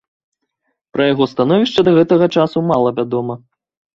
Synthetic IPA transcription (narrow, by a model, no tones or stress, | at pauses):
pɾɐjaɣɔst̪anɔvʲiʂt͡ʂɐd̪ɐɣɛt̪ɐɣɐt͡ʂasumalˠɐvʲad̪ɔmɐ